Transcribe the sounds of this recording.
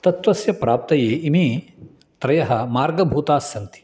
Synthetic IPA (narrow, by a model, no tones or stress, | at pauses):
t̪ɐt̪ʋɐsjɐpɾaːp̚t̪ɐjeːimi | t̪ɾɐjɐɦɐmaːɾɡɐbʱuːt̪aːsɐnt̪i̥